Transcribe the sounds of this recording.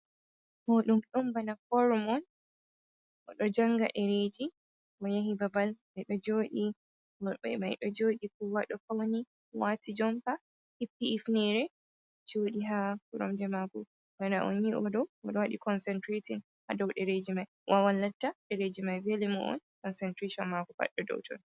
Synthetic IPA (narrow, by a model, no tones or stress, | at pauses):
hɔɗumɗumbanafɔɾɔmɔn | ʔɔɗɔd͡ʒaŋɡa̰ʔɛɾed͡ʒi | mɔjaɦibabalmajɗɔd͡ʒoːɗi | ɛ̰majɗɔd͡ʒoːɗikuwaɗɔkawni | watid͡ʒɔmpa | hipiɛfnɛɾɛ | d͡ʒoɗiɦakuɾɔmd͡ʒɛmaɡɔ | ɡana̰ʔɔ̰njiʔɔdɔɔɗɔwaɗikɔnsɛntɾetin | hadawɗɛɾed͡ʒimaj | wʔawalːatːaɗɛɾed͡ʒimajvelimɔ̰ʔɔ̰nkɔnsɛntɾeʃɔnmaɡɔfa̰ɗːɛdɔ̰wtɔ̰n